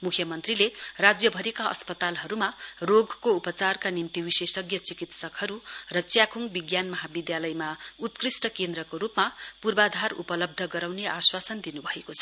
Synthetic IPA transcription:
mukʰjʌmʌnt̪rilerad͡zjʌbʱʌɾikaʌ̰spʌt̪alɦʌɾumaroɡkoupʌt͡sarkanint̪iwisesʌɡjʌt͡sikit̪sʌkhʌɾurʌt͡sjakʰuŋbiɡjanmʌɦabid̪jalʌjmaut̪krisʈʌkend̪rʌkoɾupmapurbad̪ʱarṵpʌlʌb̚d̪ʱʌɡʌɾawneaswasʌnd̪inubʱʌekot͡sʰʌ

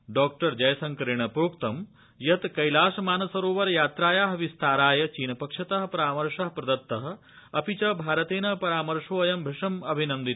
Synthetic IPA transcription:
ɖɔːk̚ʈɐɾd͡ʒɐjɐsɐŋkɐɾiɳ̃ɐpɾoːkt̪ɐm | jɐt̪kɐjlaːʃɐmaːnɐsɐɾoːʋɐɾjaːt̪ɾaːjaːɦɐʋist̪ʰaːɾaːjɐt͡ʃiːnɐpɐkʂɐt̪ɐɦɐpɐɾaːmɐɾʂɐɦpɾɐd̪ɐt̪ːɐɦɐ̆ | ɐpit͡ʃɐbʱaːɾɐt̪eːnɐpɐɾaːmɐɾʂʋoːjɐmbʱɪʂɐmɐbʱinɐnd̪it̪

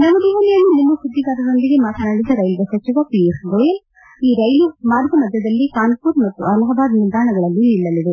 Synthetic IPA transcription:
nɐmɐd̪iʋɐlijɐnːunimːɐsud̪ːiɡaːɾɐd̪ond̪iɡemaːt̪ʰɐnɐɽid̪ɐɾɐjlʋɐsɐt͡ʃiʋɐpiesɡe | iːɾɐjlumaːɾɡʱɐmɐd̪ːɐd̪ɐlːikaːnpuɾmɐt̪ːuɐlɐɦɐb̪aːd̪nild̪aːɳɐɡɐɭɐlːinilːɐliʋe

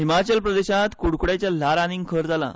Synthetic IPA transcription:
ɦimat͡ɕəlpɾəd̪eɕãt̪kuɽkuɽat͡ɕjalaɾaniŋɡkʰəɾd͡zala̰

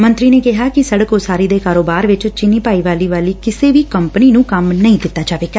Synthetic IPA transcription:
mə̃nt̪ɾiːneːkɪɦaːkɪsəɽəkoːsaːɾiːd̪eːkaːɾoːbaːɾʋɪt͡ʃt͡ʃɪniːpaːiːʋaːliːʋaːliːkɪseːʋiːkəmpəniːnũːkəmnəĩːd̪ɪt̪ːaːt͡ʃaːʋeːɡaː

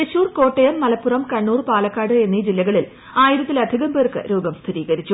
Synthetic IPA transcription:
eɕuːrko̞ːʈːejɐmːɐlɐpːurɐmkɐɳːuːrpaːlɐkːaːɽɨe̞nːid͡ʑilːɐɣɐɭil | aːjiɾɐt̪ːilɐd̪ʱiɣɐmpe̞ːrkɨ̰ɾoːɡɐmst̪ʰiɾiːɣɐɾit͡ɕːu

